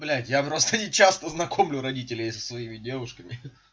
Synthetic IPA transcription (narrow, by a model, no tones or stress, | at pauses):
blʲætʲjapɾo̞st̪ənʲɪt͡ɕast̪əznɐkʰo̞mlʲʊɾɐdʲitʲɪlʲɪjsə̥svɐimʲɪdʲe̞vʊʂkəmʲɪ